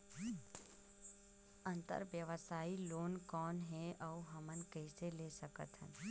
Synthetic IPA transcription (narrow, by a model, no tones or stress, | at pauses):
ə̃nt̪ə̰ɾʋjəʋəsaːiloːnkɔːnɦeəuɦəmənkəɪselesəkə̰t̪ɦə̰n